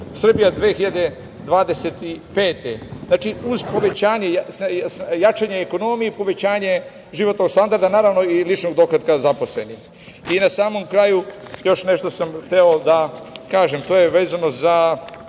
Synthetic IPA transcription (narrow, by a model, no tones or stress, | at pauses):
sr̩bijad̪ʋexiʎad̪e̞ | d̪ʋaːd̪e̞set̪ipe̞ːt̪ḛznaːt͡ʃiuzpo̞ʋe̞t͡ɕaːɲejasjat͡ʃaɲeːko̞no̞mijepo̞ʋe̞t͡ɕaːɲe̞ | ʒiʋo̞t̪no̞ɡst̪and̪aɾd̪anaːɾaʋno̞ilit͡ʃnoɡd̪okad̪kazapo̞sle̞nix | inasaːmo̞mkɾaːjujo̞ʃneʃt̪osamxt̪eod̪akaːʒemt̪oːjeʋe̞ːzanoza